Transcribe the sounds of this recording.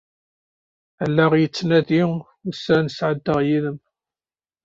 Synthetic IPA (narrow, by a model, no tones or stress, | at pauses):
əlːæʁjət͡sːnæði | ʊsænsʕəd̪ːəʁjiðəm